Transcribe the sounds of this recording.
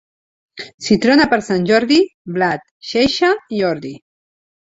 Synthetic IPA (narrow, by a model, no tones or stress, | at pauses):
sit̪ɾonapəɾsanʲʒɔɾðiblat̪ʃeʃaiɔɾði